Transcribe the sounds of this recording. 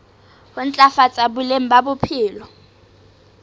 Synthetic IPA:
hʊn̩t͡ɬʼafat͡sʼabʊleŋ̩babʊpʰɪːlɔ

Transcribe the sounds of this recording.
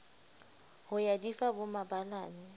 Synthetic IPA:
hʊjadifabʊmabalaːnɪ

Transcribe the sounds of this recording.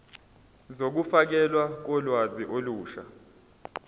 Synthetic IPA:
zok̬ufak̬ɛlwak̬ɔlwaziʔoluːʃa̰

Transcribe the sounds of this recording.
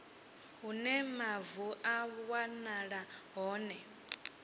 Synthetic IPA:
ɦunɛmavuʔawanaɺaɦɔːnɛ

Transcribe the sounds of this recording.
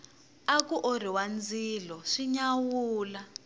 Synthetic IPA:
akuʔoɾiwand͡ziːlɔʂiɲawuːla

